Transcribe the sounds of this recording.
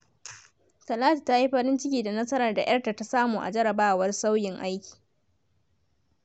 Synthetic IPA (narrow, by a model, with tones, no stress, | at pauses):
tɐ˨laː˦ta˨ta˦i˦ɸɐ˦ɽɪ˦nt͡ʃɪ˦kʲiː˨da˨nɐ˦sɐ˦ɾɐ˨rda̰˨j̰ɐ˦rta˨ta˦saː˦muː˨ʔa̰˨d͡ʒɐ˦ɽɐ˨baː˦˨wɐ˦rsa˦wjɪ˨ŋʔa˦jkʲi̥ː˨